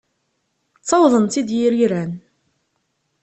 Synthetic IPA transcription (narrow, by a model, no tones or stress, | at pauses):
t͡sːɑwðˤənt̪id̪jiɾiɾæn